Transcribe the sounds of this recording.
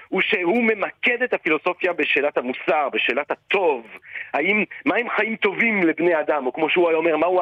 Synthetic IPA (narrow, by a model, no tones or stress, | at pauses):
uʃe̞hume̞maked̪et̪hafilo̞so̞fjabeʃe̞ːlat̪hamusaʁbeʃe̞ːlat̪hat̪o̞vhaimːahemχajimt̪o̞vimlebnead̪amo̞kmo̞ʃeuajome̞ʁmaa